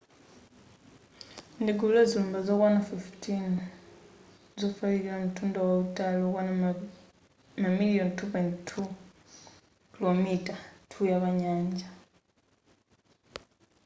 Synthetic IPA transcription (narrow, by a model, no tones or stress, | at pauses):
ndiɡulezuːmbazokwanafiftʰin | zofaionutuːndowaβutalokwan | namilijontupojntʰu | kilomitatʰujaβaɲaːɲɟa